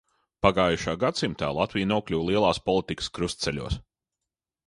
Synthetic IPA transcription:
paɡaːjuʃaːɡat̪simt̪a̰ːlˠat̪vʲijnuɔklʲuwlˠiɛlˠɑːspɔlˠit̪ikə̥skɾust̪sɛlʲṵɔs

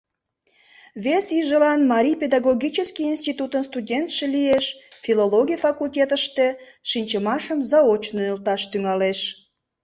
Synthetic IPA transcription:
βesiʒəlɑnmɑɾʲijped̪ɑɣoɣʲit͡ɕəskiinst̪it̪ut̪ənst̪udʲent̪ʃelieʃfiloloɣʲijfɑkultʲet̪əʃt̪e̽ | ʃinʲt͡ɕəmɑʃəmzɑot͡ɕnoylt̪ɑʃt̪yŋɑleʃ

